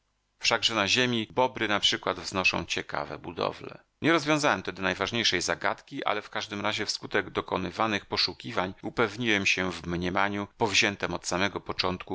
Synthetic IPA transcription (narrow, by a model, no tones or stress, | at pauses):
fʂaɡʐɛnaʑemʲibɔbɾɘnapʂɘkwad̪vznɔʂɔ̰̃w̃t͡ɕɛka̰vɛ̰bud̪ɔ̰vlɛ̰ | ɲɛɾɔzvʲjɔ̃w̃zawɛmt̪ɛd̪ɔnajvaʐɲejʂɛjzaɡa̰t̪kʲiʔa̰lɛfkaʐd̪ɘmɾaʑɛfskut̪ɛɡd̪ɔkɔnɘvanɘxpɔʂukʲivaɲupɛvɲiwɛmɕɛvmɲɛmaɲupɔvʑɛnt̪ɛmɔt̪samɛɡɔpɔt͡ʂɔnt̪ku